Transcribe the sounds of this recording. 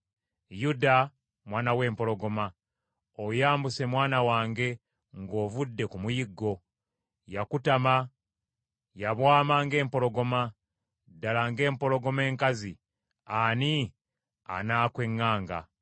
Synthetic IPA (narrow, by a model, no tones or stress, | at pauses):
juda | mwaːnawe̞ːmpo̞lo̞ɡo̞ma | ojaːmbuse̞mwaːnawaːŋɡe̞ | ŋɡo̞ːvudːe̞kumujiɡːo̞ | jakutama | jaβwaːmaːŋɡe̞ːmpo̞lo̞ɡo̞ma | dalaːŋɡe̞ːmpo̞lo̞ɡo̞me̞ːŋkazi | ani | a̰naːkwe̞ŋːaːŋɡa̰